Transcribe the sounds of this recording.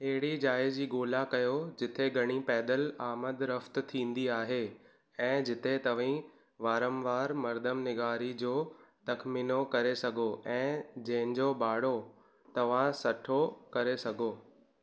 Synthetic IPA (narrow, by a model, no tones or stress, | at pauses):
ɦeɦɪɽid͡ʑaːɪzd͡ʑiːɡoːlakɐjod͡ʑɪt̪ʰeɡʱɐɽ̃ipɛːd̪əlaːməd̪ɾɐft̪̆t̪ʰĩːn̆d̪iaːɦe | ɛ̃ːd͡ʑɪt̪ʰet̪ɐʋ̤ĩ | ʋaːɾə̃mʋaːɾmɐɾd̪ʱəmnɪɡaːɾid͡ʑoːt̪ɐkmiːnokɐɾesɐɡʱoʔɛ̃ːd͡ʑɐ̃ɦɪ̃ɲd͡ʑobaːɽo | t̪ɐʋ̤ãsɐʈʰokɐɾesɐɡʱoː